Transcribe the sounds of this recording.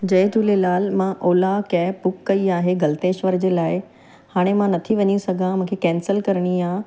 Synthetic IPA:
d͡ʑɐet̪ulelaːlmãʔoːlakɛːpʊkːɐiaːɦeɡɐlt̪eːʃʋəɾd͡ʑeːlaːɪ | haːɽ̃emãnɐt̪ʰiʋɐɲisɐɡʱãmũːkʰekɛ̃ːnsəlkɐɾɽ̃iaː

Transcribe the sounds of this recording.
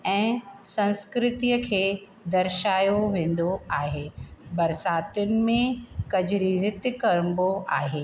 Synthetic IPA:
ɛ̃ːsɐ̃nskɾɪt̪ijəkʰeː | d̪ɐɾʃaːjoʋẽːn̆d̪oaːɦeːbɐɾsaːt̪ʊnɪ̆mẽkɐd͡ʑɪɾiɾɪt̪jkɐɾəmboaːɦeː

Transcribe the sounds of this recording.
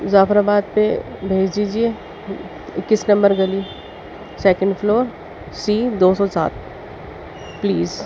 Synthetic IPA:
zaːfɾabaːd̪̚pebʱeːd͡ʒd̪iːd͡ʒie | kːɪsnɐ̃mbəɾɡɐli | sɛːkə̃ɳɖfloːɾ | siːd̪oːsɔsa̰ːt̪̚ | pliːz

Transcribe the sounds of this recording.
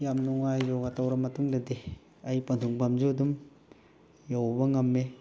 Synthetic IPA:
jamnuŋajɾoɡatawɾɐmɐtuŋdɐdi | ɐjpɐntʰuŋbamzuɐdum | jawbɐŋɐmːe

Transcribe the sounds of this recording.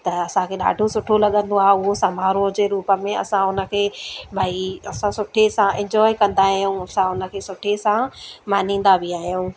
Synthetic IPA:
t̪ɐɐsãkʰeːɗa̰ːɖʱosʊʈʰolɐɠə̃nd̪oaːɦeʊɦosamaːɾõd͡ʑeːɾuːpə̆mẽɐ̰sãʊnə̆kʰeːbʱaːiɐsãsʊʈʰesãɪ̃ɲd͡ʑɔːekɐ̃nd̪aɦaɦijũɐsãʊnə̆kʰeːsʊʈʰesãmaːn̤ĩːn̆d̪abɪaːɦijũ

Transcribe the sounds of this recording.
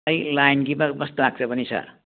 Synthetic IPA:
ʌjlajnɡipakbʌst̪olaɡ̚t͡sʰʌpʌnisʰa̰

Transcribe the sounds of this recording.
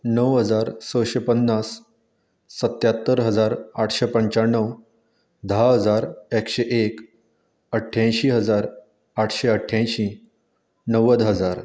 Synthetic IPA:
nəwɦəd͡zaɾsəɕepənːasː | ət̪jat̪ːəɾɦəd͡zaɾaʈʰɕepəɲt͡ɕaɳːəw | d̪ʱaɦəd͡zaɾekɕeʔek | əʈʰjãjɕiɦəd͡zaɾ | aʈʰɕeəʈʰjãjɕĩ | nəʋəd̪ɦəd͡zaɾ

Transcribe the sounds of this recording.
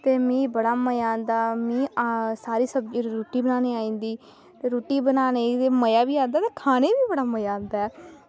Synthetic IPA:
t̪eːmĩːbəɽaːməjãːnd̪aːmĩːasaːɾiːsəbd͡ʒɾoːʈiːbənaːneːaːĩːnd̪iː | t̪eːɾoːʈiːbənaːneːt̪eːməjaːbiːãːnd̪aːt̪eːkʰaːneːbiːbəɽaːməjaːnd̪aːɛː

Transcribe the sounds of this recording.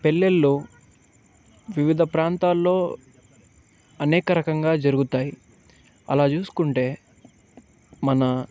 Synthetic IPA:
pe̞lːelːu | ʋiʋid̪ʱɐpɾaːnt̪aːlːo̞ː | ɐnɛːkɐɾɐkɐŋɡaːd͡ʒɐɾuɡut̪aːji | ɐ̰laːt͡ʃuːsu̥kuɳʈe̞ː | mɐnɐ

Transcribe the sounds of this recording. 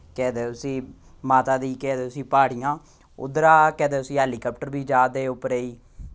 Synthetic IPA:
kɛːd̪eːʊsĩː | maːt̪aːd̪iːkɛːd̪eːʊsĩːpaːɽijãː | ʊ̰d̪ɾaːkɛːd̪eːʊsĩːɦɛːliːkaːpʈəɾbiːd͡ʒaːd̪eːʊpɾeːiː

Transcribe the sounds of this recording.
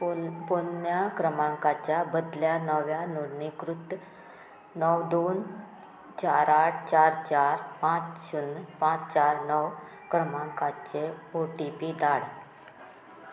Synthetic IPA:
ponjakɾəmãŋkat͡ɕjabəd̪ljanəʋjanuɽnikɾut̪ | nəwd̪on | t͡ɕaɾaʈʰt͡ɕaɾt͡ɕaɾpãt͡sɕunpãt͡st͡ɕaɾnəw | kɾəmãŋkat͡ɕeoʈipid̪aɽ

